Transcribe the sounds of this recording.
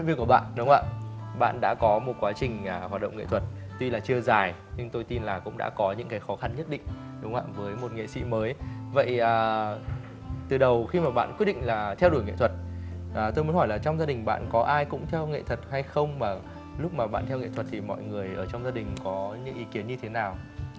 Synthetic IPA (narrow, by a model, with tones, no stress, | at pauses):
i˧˥˨nvi˧ku˧˩əɓa̰ː˧˨nɗʊ˨˦ŋ͡mʔa̰ː˧˨ɓa̰ː˧˨nɗa̰ː˧˥kɔ˨˦mo˨˩t̚kwaː˨˦t͡ɕï˨˩ŋ̟ː˨˩hwaː˨˩t̚ɗə̰˧˨wŋ͡mŋḛ˧˨t̪ʰwə˨˩t̚t̪wi˧laː˨˩t͡ɕɨ˧əzaː˨˩j | ɲɨ˧ŋt̪o˧jt̪i˧nlaː˨˩kʊ̰˧˥ŋ͡mɗa̰ː˧˥kɔ˨˦ɲɨ̰˧˥ŋkaː˨˦jxɔ˨˦xa˧nɲə˦˥t̚ɗḭ̈˧˨ŋ̟ɗʊ˨˦ŋ͡mʔa̰ː˧˨vəː˨˦jmo˨˩t̚ŋḛ˧˨sḭ˧˥məː˨˦jvə̰˧˨jʔəː˨˩ | t̪ɨ˨˩ɗə˨˩wxi˧maː˨˩ɓa̰ː˧˨nkwi˦˥t̚ɗḭ̈˧˨ŋ̟laː˨˩t̪ʰɛ˧wɗu˩jŋḛ˧˨t̪ʰə˨˩t̚ʔːt̪o˧jmu˨˦nhɔ˧˩jlaː˨˩t͡ɕɔ˧wŋ͡mzaː˧ɗï˨˩ŋ̟ɓa̰ː˧˨nkɔ˨˦ʔaː˧jkʊ̰˧˥ŋ͡mt̪ʰɛ˧wŋḛ˧˨t̪ʰwə˨˩t̚ha˧jxə˧wŋ͡mmaː˨˩ | lʊ˦˥k͡p̚maː˨˩ɓa̰ː˧˨t̪ʰɛ˧wŋḛ˧˨t̪ʰə˨˩t̚t̪ʰi˨˩mɔ̰˧˨jŋɨ˨˩əjʔəː˧˩t͡ɕɔ˧wŋ͡mzaː˧ɗï˨˩ŋ̟kɔ˨˦ɲɨ̰˧˥ŋʔi˨˦ki˨˦ənɲɨ˧t̪ʰe˨˦naː˨˩w